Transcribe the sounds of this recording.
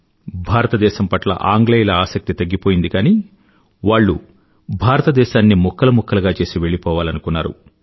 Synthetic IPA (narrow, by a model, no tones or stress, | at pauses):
bʱaːɾɐt̪ɐd̪ɛːʃɐmpɐʈlɐ̰ʔaːŋɡlejlɐaːsɐk̚t̪it̪ɐɡːipoːjind̪ikaːni | ʋaːɭːu | bʱaːɾɐt̪ɐd̪ɛːʃaːnːimɔkʰːɐlɐmɔkːɐlɐɡaːt͡ʃe̞ːsiʋe̞ɭːipɔːʋaːlɐnukunːaːɾṵ